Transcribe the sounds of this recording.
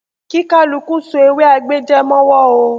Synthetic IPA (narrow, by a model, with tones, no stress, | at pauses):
ki˦ka˦lu˧˨kũ˦so˨˦e˨˧we˦a˧ɡ͡be˦d͡ʒɛ˦mɔ̃˦wɔ˦o˧